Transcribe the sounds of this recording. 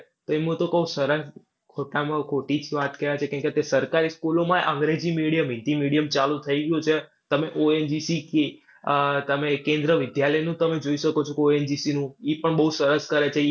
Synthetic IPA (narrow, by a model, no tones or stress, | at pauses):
t̪oemũt̪okəusəɾəs | kʰoʈamãkʰoʈit͡ʃʰiʋat̪keʋat͡ʃʰekɛ̃ɳket̪esəɾkaɾiskulomãʔə̃ŋɡɾed͡ʒimiɽijəmɪnt̪imiɽijəmt͡ʃalũt̪ʰəiɡjũt͡ʃʰe | t̪əmeʔoend͡ʒisike | t̪əmekẽnd̪ɾəʋɪd̪jaləjnũt̪əmed͡ʒoiʃəkot͡ʃʰokeoend͡ʒisinũipəɳbəɦusəɾəskəɾet͡ʃʰe